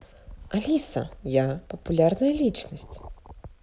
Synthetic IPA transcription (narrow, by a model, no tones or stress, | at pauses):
alʲisɐ̰japɐpulʲarnɐjɐlʲit͡ʂnɐsʲt͡sʲ